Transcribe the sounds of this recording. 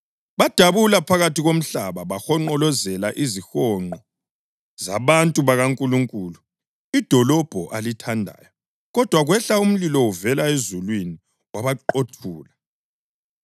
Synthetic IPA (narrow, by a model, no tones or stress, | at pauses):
βad̥ʱaβulapʰaɣatiɣom̩ɬaβaβaxɔŋ͡ǃɔlɔzɛlaʔizixɔŋ͡ǃɔ | za̰βantʼuβaɣaŋkʼuluŋkʼuːlu | id̥ʱɔlɔb̥ʱɔʔalitʰandʱa̰ːjɔ | ɣɔd̥ʱwaɣwɛɬaum̩lilɔwuvɛlaezulwini | waβaǃotʰuːla